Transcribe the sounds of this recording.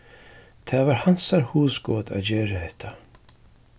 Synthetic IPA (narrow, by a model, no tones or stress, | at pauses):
t̪ʰaːvaɾ̥han̥saɾhuːsɡɔːt̪a̰ðd͡ʑɛːɾɪhɛht̪ʰa